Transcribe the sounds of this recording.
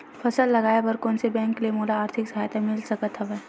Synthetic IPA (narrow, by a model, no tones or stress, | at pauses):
fʰɐsəlːɐɡaːjebɐɾkõːnsebɛ̃ːŋkliemoːlaːɾt̪ʰɪksɐɦaːjt̪emɪlsɐkət̪ɦɐʋeː